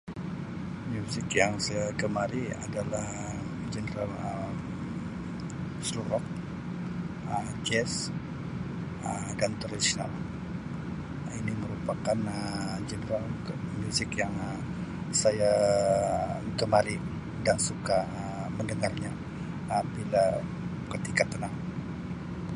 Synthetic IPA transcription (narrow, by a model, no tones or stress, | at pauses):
mjusɪkjaŋsajakəmaɾia̰dalah | d͡ʒənəɾalə | sluɾɔk̚ | əmd͡ʒɛs | ə | dant̪ərdisina̰l | iniməɾupakanəd͡ʒənəɾalmusɪkjaŋ | saja | kəmaɾi | daŋsuka | məndəŋarɲa | əbila | kət̪ikat̪ənaŋ